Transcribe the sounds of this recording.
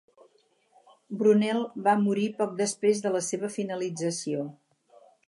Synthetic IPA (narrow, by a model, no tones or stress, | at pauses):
bɾunɛlˠβamuɾipɔk̚d̪əspɾezðələseβəfinəlid͡zəsio